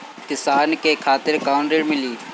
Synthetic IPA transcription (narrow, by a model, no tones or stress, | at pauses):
kɪsaːnkekʰaːt̪ɪɾkaːʊɳɖɪɽmɪliː